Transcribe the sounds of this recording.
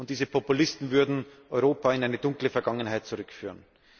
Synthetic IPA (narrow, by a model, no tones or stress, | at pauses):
ʊntd̥iːzəpʰɔpʊlɪstn̩vʏɐdn̩ʔɔʏʁoːpaɪnʔaɪnədʊŋkləfɛɐɡaŋənɦaɪtt͡suʁʏkfyːʁən